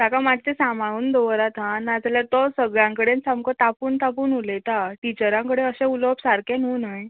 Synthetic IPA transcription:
t̪akamat̪̚t̪esamauːnd̪oʋɾat̪ɦãnad͡zljat̪ɔsəɡɭjãŋkəɽensamkɔt̪apuːnt̪apuːnulet̪aʈit͡ɕəɾãŋkəɽeəsẽuləpsaɾkẽnɦunəj

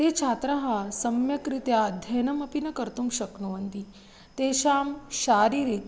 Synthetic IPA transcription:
t̪eːt͡ʃʰaːt̪ɾɐɦɐsɐmjɐkɾit̪jad̪ʱjɐnɐmɐpinɐkɐɾt̪umʃɐknuʋɐnt̪i | t̪eːʃaːmʃaːɾiːɾit̪

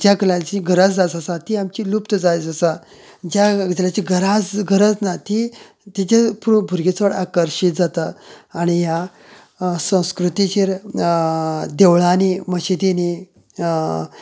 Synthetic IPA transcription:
d͡ʑjakəlãt͡ɕiɡʱəɾad͡zd͡zat͡səsat̪iamt͡ɕilupt̪əd͡zajt͡səsa | d͡ʑad͡ʑəlat͡ɕiɡəɾad͡zɡʱəɾəd͡znat̪i | t̪it͡ɕapuɾbʱuɾɡet͡sʋəɽakəɾɕit̪̚d͡zat̪aaɽ̃ija | sə̃w̃skɾut̪it͡ɕeɾ | d̪eʋɭaneməɕit̪ene

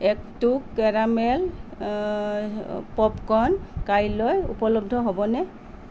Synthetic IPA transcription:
ɛktukːɛɹamɛl | pɔpkɔnkajlɔjṵpɔlɔb̚dʱɔɦɔbɔnɛ

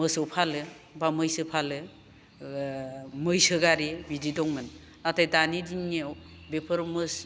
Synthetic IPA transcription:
mɯsɔwpʰalɯ | bamɯjsɯpʰalɯ | mɯjsɯɡaɾebididɔŋmɯn | atajdanidine | bepʰɯɾmɯs

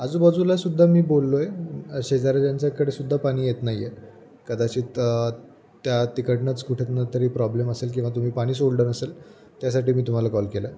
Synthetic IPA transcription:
ad͡zuːbəd͡zulasud̪ʱːamiːbolːojeɕed͡zaɾad͡ʑaɲt͡ɕakəɽesud̪ʱːapaɽ̃iːjet̪naɦije | kəd̪at͡ɕiːt̪ | t̪jat̪ikəʈnat͡skuʈʰet̪nat̪əɾiːpɾɔbleməselk̬ĩw̃ʋat̪um̤iːpaɽ̃iːs̬oɭɖənəsel | t̪jas̬aʈiːmiːt̪um̤alakɔlkela

